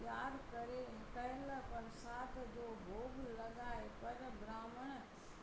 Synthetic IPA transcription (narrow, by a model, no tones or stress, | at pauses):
jaːɾkɐɾekɐɦɪləpɐɾsaːt̪ʰd͡ʑoːbʱoːɡlɐɠaːepɐɾbɾaːməɽ̃ə